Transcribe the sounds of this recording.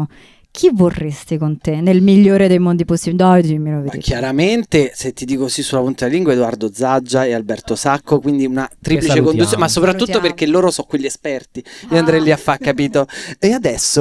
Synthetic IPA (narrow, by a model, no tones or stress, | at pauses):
k̟ʰivorːest̪ikont̪enːelmiʎːoːɾed̪ejmond̪iposibid̪ɔd̪miloved̪̰kjaɾament̪eset̪ːid̪iːkosisːulapunt̪eliŋɡwaed̪oard̪od̪zad͡ʒːaealbɛrt̪osakːokwind̪iunat̪ɾiplit͡ʃekonusːonmasːopɾat̪ːut̪ːoperkelːoːɾosɔkweʎːiespɛrt̪iioand̪ɾɛjliafːakːapiːt̪oead̪ɛsːo